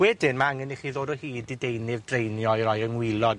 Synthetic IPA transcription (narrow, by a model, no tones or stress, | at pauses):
wɛdɪnmaaŋɛniχiːðoːdɔhiːdɪdejnɪvdrejnjɔɾɔjəŋwɪlˠɔd